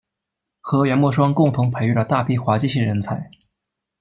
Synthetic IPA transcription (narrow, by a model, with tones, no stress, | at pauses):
xɤ˧˥ɥɛ˧˥nmwɔ˥˩ʂ̬wɑ˥ŋkʊ˥˩ŋt̪ʰʊ˧˥ŋpʰe˧˥ɪy˥˩lə˩t̪a˥˧˩pʰi˥˩xwa˧˥t͡ɕi˥˧ɕi˥˩ŋɻə˧˥nt͡sʰa˧˥ɪ